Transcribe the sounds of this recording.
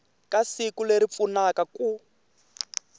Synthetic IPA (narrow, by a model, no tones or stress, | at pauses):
kʼasikuleɾip̪funakaku